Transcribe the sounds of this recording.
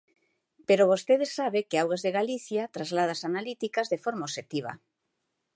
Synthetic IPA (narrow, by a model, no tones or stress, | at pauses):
peɾoβost̪eðesːaβekeawɣazðeɣaliθjat̪ɾazlað̞asanalit̪ikazðefoɾmaoʃet̪iβ̞a̰